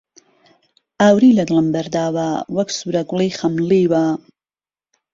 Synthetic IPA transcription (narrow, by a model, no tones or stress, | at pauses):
ʔaːwɾiːlɐɡləmbɐɾd̪aːwawɐksuːɾɐɡlijxɐmliːwa